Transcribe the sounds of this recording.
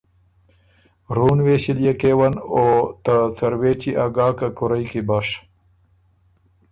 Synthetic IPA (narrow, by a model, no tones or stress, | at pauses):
ɾuːnweːɕiljekewɐnoːt̪at͡sɐɾweːt͡ɕiʔaɡaːkakuɾajkibaʂ